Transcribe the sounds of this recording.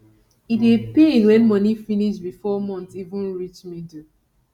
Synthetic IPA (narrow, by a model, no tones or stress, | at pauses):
itepẽnwɛ̃nmɔnifiniʃtbifɔmɔ̃ntivũnɹit͡ʃmid̩